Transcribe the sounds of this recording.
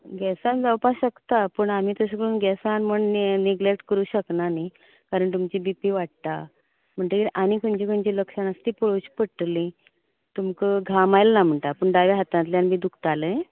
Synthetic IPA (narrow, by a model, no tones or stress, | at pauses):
ɡɛsãnd͡zawpaɕəkt̪apəɳamiːt̪əsəkɽuːnɡɛsãnməɳniɡlek̚ʈkəɾuːɕəknani | kaɾəɳt̪umt͡ɕibipiʋaʈ̚t̪a | m̤əɳʈ̪ekiʔañikəɳd͡ʑikəɳt͡ɕiləkʂəɳəst̪iːpoɭut͡ɕpəʈlĩ | t̪umkəɡʱamajlnam̤əɳʈ̪apəɳɖaʋeɦat̪ãt̪ljanmiːd̪ukʰt̪alə̃